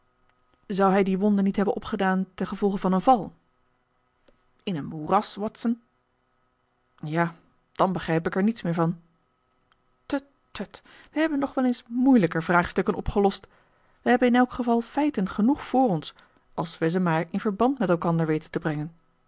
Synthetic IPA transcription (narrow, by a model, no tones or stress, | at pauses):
zʌwɦɛjdiʋɔndənitɦɛbənʔɔpχədaːntɛnχəvɔlˠχəvɑnənvɑlˠ | ɪnənmurɑsʋɔtsən | jaː | d̥ɑnbəχrɛjpɪkɛɹnitsmɪːɹvɑn | tə | tːət | ʋəɦɛbənːɔχʋɛlejnsmujləkəɹvraːχstɵkənɔpχəlɔst | ʋəɦɛbənɪnɛlˠkχəvɑlˠfɛjtənχənuχfʊːrɔns | ʔɑlˠsʋɛjzəmaːɹɪnvəɹbɑntmɛtɛlˠkɑndəɹʋejtəntəbrɛŋən